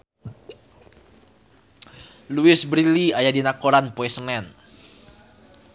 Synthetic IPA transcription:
luɪsbɾiliajadinakoɾanpoɛsənɛn

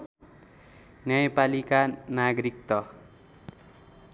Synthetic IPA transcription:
njʌjapalikanaɡɾikt̪ʌ

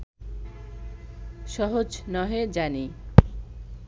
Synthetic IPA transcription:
ʃɔɦod͡ʑnɔɦed͡ʑani

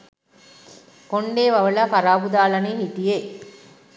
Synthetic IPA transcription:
koɳɖeːʋaʋəlafaɾaːbud̪aːlaniːɦit̪ije

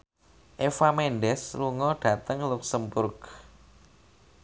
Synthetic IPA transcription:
ʔefamenɖɛsluŋɔɖ̥ä̤t̪əŋluksəmbʊrɡ

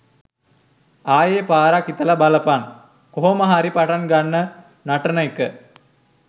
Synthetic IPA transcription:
aːjeːpaːɾakit̪əlɐbalɐpan | koɦomɐɦaɾipaʈanɡanːə | naʈənəikə

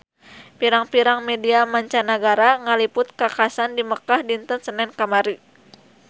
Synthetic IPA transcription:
piɾaŋpiɾaŋmɛdiamaɲt͡ʃanəɡaɾaŋalipʊt̪̚kakasandiməkahdint̪ənsənɛnkamaɾi

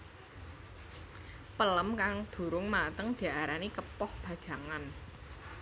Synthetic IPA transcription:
pələmkaŋd̪̥ṳɾʊŋmat̪əŋd̪̥i̤aɾanikəpɔhb̥ä̤d̥ʒ̥a̤ŋan

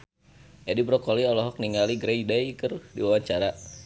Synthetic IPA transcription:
ʔɛdibɾɔkɔliɔlɔɦɔk̚niŋaliɡɾejdajkərdiwawaɲt͡ʃaɾa

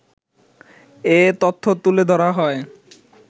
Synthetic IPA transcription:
et̪ot̪ʰːot̪uled̪ʱɔɾaɦɔe

